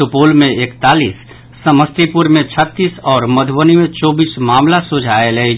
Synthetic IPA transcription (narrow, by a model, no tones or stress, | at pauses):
ʊpoːlmẽeːkt̪aːlḭːsː | əməst̪ipʊɾmẽt͡ʃʰət̪ːiːsɔːɾməd̪ʱʋənimẽt͡ʃɔːbiːsmaːmlasʊd͡ʒʱaːelei